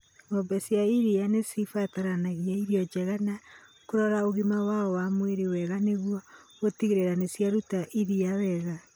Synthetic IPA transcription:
ŋɔbɛsjaiɾianesifataɾanaɣiaiɾijɔd͡ʒɛɣanakoɾɔɾaoɣimawaɔwamweɾiwɛɣaneɣwɔɣotiɣeɾeɾanesjaɾutaʔiɾiawɛɣa

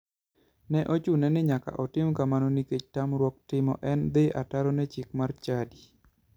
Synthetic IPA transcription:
nɛʔot͡ʃunɛnɪɲaka̰ʔɔtɪmkamanɔniket͡ʃtamɾwɔk̚tɪmɔ̰ʔɛnd̪ɪa̰taɾɔnɛt͡ʃɪk̚mart͡ʃadi

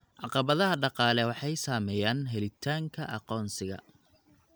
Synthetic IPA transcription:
ʕɑqɑβɐðɐɦɐɖɑqɑːlɛwɑħɑjsaːmɛjaːnɦɛlɪt̪ʰaːŋkʰɐʔɑ̰qɔːnsɪɣɐ̰

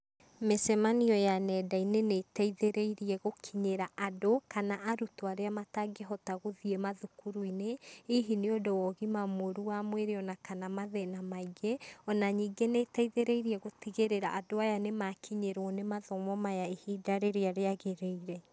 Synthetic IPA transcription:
mesɛmaniɔjanɛdainenetaiðeɾeiɾiɛɣokʰiɲeɾaʔadokanaʔaɾutoaɾeamataɡeɦɔtaɣoðiɛmaðukuɾuineiɦineodowɔɣimamoɾuwamweɾeɔnakanamaðɛnamaiɣeɔnaɲiːɡenetaiðeɾeiɾiɛɣotiɣeɾeɾa̰ʔadoajanemakʰiɲeɾwɔnemaðɔmɔmajaehidaɾeɾeaɾeaɣeɾeiɾɛ

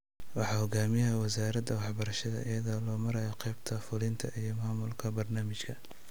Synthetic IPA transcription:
wɑħɑːhɔɡaːmɪjɐɐwɐsaːɾɐd̪ɐwɑħbɐɾɐʃɐðɐ̰ʔɪjɐðɐlɔːmɐɾɛjɔqɛjbt̪ʰɐfʊlɪnt̪ʰɐʔijɞmaːmʊlkʰɐbɐrnaːmɪt͡ʃkʰɐ

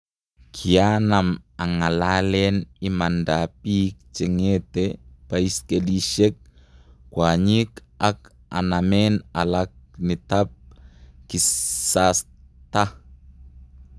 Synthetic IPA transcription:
kʰianamaŋalalɛnimandapik̚t͡ʃɛŋetepaiskeliʃek̚ | kwaɲik | ak̚ | a̰namɛnalak̚nitap̚kisas | t̪a

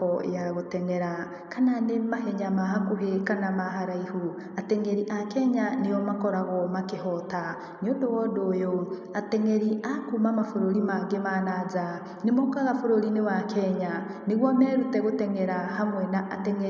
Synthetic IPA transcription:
ɔ̰jaɣotɛŋeɾa | kananemaɦeɲamaɦakuɦekanamaɦaɾaihu | ateŋeɾiʔakɛɲanejɔmakɔɾaɣɔmakeɦɔta | niodowɔdojo | ateŋeɾiakumamafoɾoɾimaŋɡemanaza | nemokaɣafoɾoɾinewakʰɛɲa | neɣwɔmɛɾutɛɣotɛŋɛɾahamwɛnaʔateŋe

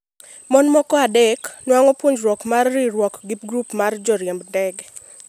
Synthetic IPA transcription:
mɔnmɔkɔadɛknwaŋɔpwoɲd͡ʒɾwɔkmarːiɾwɔkɡip̚ɡɾupmard͡ʒɔɾjɛmbdɛɡ

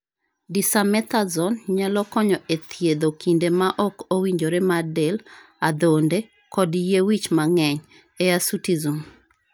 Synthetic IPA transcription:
disamɛt̪azɔnɲalɔkɔɲɔʔet̪ʰjed̪okindemaʔɔkowiɲd͡ʒoɾemadel | ad̪onde | kɔdjewit͡ʃmaŋɛɲ | ɛasutizum

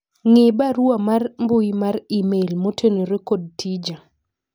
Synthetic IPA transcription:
ŋɪbaɾwamarmbʊjmarimelmotʰenoɾekod̚tʰid͡ʒa

